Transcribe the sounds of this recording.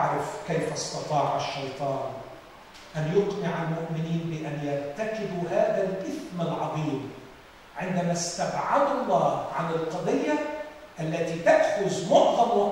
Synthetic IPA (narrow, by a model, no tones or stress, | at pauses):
ʕɾɪfkejfast̪ɑt̪ˤɑːʕaʃːɑjt̪ˤɑːn | ʔanjʊq̪nɪʕalmʊʔmɪniːnbɪʔanjaɾt̪akɪd̪uɦaːðalʔɪθmalʕɑðˤiːb | ʕɪnd̪amast̪abʕad̪ɑlˤːɑːʕanɪlqɑðˤɨjːa | ʔalːat̪it̪aʔ̪xʊzmʊʕðˤɑm